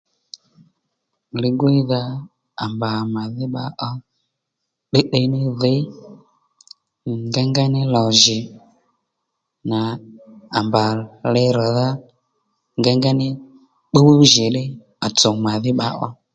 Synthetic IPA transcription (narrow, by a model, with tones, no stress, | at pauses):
lɪ˨ɡʊ˦ɪ˦ða˦ | a˨mba˨ma˨ðɪ˦ɓa˧ʔɔ˦ | ɗe˦ɗe˧˦nɪ˦ðe˦ | ŋɡa˦ŋɡa˦nɪ˦lɔ˨ʒɪ˨ | na˨a˨mba˨lɪ˧ɾɔ˨ða˦ | ŋɡa˦ŋɡa˦nɪ˦ | k͡po˦ɓu˦ʒɪ˨ɗɪ˦ | a˨t͡sɔ˨ma˨ðɪ˦ɓa˧ʔɔ˦